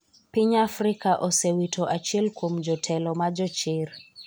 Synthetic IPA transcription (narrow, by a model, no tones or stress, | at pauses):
piɲafɾikaʔɔsɛwitʰɔʔat͡ʃilkum̩d͡ʒɔtʰɛlɔmad͡ʒɔt͡ʃiɾ